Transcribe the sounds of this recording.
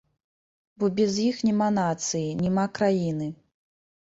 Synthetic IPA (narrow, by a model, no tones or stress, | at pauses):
bɔbʲɛzjixnʲɛmanat̪sɨjinʲɛmakɾajinɨ